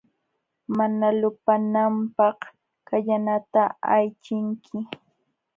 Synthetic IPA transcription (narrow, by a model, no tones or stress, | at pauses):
manalʊpanampɑχ | kaʎanat̪aajt͡ʃɪŋkʰɪ